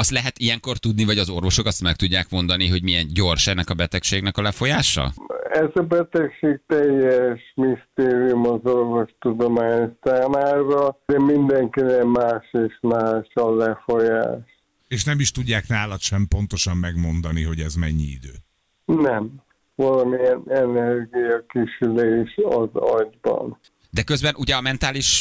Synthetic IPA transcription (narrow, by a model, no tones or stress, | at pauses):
ɒst̪lɛɦɛt̪ijɛŋko̞rt̪ud̪nivɒɟɒzo̞rvo̞ʃo̞kɒst̪mɛkt̪uɟːaːkmo̞nd̪ɒniɦo̞ɟmijɛnɟo̞rʃɛnːɛkɒbɛt̪ɛkʃeːɡnɛkɒlɛfo̞jaːʃɒ̰ɛzɒbɛt̪ɛkʃeːɡ̚t̪ɛjːɛʃmist̪eːɾijumɒzorvo̞ʃt̪ud̪omaːɲsaːmaːɾɒd̪ɛmind̪ɛŋkinɛmaːʃeːʃmaːʃɒlɛfo̞ja̰ːʃ | eːʃnɛmiʃt̪uɟːaːknaːlɒt̪ʃɛmpo̞n̪t̪o̞ʃɒmːɛɡmo̞nd̪ɒniɦo̞ɟɛzmɛ̰ɲːḭḭd̪øː | nɛm | vɒlɒmiɛnɛnɛrɡijɒkiʃyleːʃɒ̰zɒɟbɒ̰n | d̪ɛkø̞zbɛnʔuɟɛɒmɛnt̪aːliʃ